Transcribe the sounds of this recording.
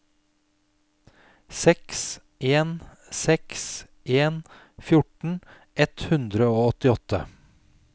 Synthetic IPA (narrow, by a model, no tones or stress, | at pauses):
sɛks | ʔeːn | sɛks | ʔeːn | fjʊʈɳ̩ | ʔɛt̪hʉnd̪ɾəoːɔt̪ɪɔt̪ə̰